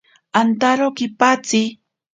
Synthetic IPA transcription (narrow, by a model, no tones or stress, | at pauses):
ant̪aɾokɪpat͡sɪ